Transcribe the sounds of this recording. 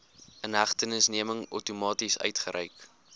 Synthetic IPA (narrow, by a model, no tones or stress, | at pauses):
ənɦæχtənəsniəməŋɔ̰wtumɑːtisœ̰ɥtχəɾʔə̰jk